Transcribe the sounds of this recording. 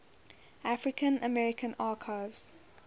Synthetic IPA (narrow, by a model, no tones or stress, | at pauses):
ʔafɹɪkʰə̃nəmɛɹɪkʰə̃naːkʰaɪvz̥